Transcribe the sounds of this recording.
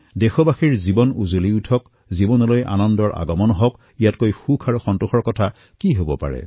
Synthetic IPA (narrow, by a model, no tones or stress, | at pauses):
dexɔbaxiɹzibɔnuzoliutʰɔk | zibɔnɔlojʔa̰nɔndɔɹʔa̰ɡɔmɔnɔɦɔk | ijatkojxukʰaɹuxɔntuxɔɹkɔtʰa | kiɦobɔpa̰ɹɛ̰